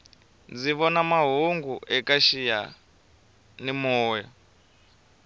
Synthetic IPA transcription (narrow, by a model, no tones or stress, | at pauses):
d͡ziβɔnamaɦuŋɡuʔɛkaʃija | nimɔːwɛ